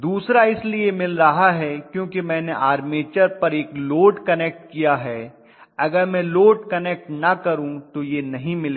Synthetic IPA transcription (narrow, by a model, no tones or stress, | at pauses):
d̪uːsɾaɪsliemɪlɾɐɦaɦɛkjõːkimɛ̃ːneʔaːɾmeːt͡ʃəɾpɐɾeːkloːʈkɐneːk̚ʈkijaɦɛː | ɐɡəɾmɛ̃ːloːʈkɐneːk̚ʈnɐkɐɾũt̪ojenɐɦĩmɪle